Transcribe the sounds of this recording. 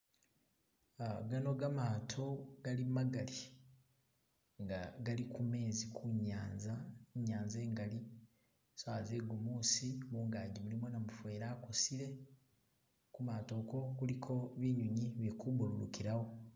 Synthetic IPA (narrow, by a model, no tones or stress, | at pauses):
aɡano̞ɡamaːtʰo̞ɡ̥alimaɡali | ŋɡaɡalikʰume̞ːzikʰuɲaːnzaɲːaːnze̞ːŋɡali | saːzeɡumuːsimuːŋɡaːɲɟimulimwonamufwe̞ːɾaːkosiɾe̞ | kumaːto̞ko̞kulikʰo̞βiɲuɲiβikubululukiɾaho̞